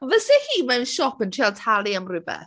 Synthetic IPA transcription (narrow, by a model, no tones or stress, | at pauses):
vəsɛhiːmɛwnʃɔpəntʰialˠtʰalˠiamrɪbɛ̰θ